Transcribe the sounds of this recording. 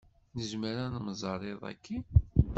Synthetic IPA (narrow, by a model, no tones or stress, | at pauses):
nəzməɾannəzˤərˤeðˤæ̰kʰːi